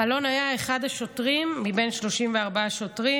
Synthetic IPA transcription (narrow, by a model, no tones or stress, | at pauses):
alo̞najaeχadaʃo̞tʁimːibe̞jnʃlo̞ʃimveaʁbaaʃo̞tʁi